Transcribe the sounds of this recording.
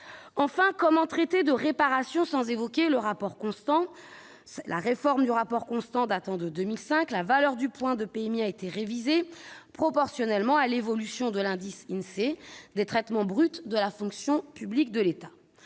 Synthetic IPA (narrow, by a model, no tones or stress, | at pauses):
ɑ̃fɛ̃kɔmɑ̃t̪χɛt̪ed̪əʁepaʁasjɔ̃sɑ̃zevɔkʲeləʁapɔʁkɔ̃st̪ɑ̃ | lʔa̰ʁefɔʁmd̪yʁapɔʁkɔ̃st̪ɑ̃d̪at̪ɑ̃d̪əd̪ømilsɛ̃klavalœʁd̪ypwɛ̃d̪əpeɛmiaet̪eʁevizepχɔpɔʁsjɔnɛlmɑ̃alevɔlysjɔ̃d̪əlɛ̃d̪isɛnsed̪et̪χɛt̪mɑ̃bʁyt̪d̪əlafɔ̃ksjɔ̃pyblik̚d̪əlet̪a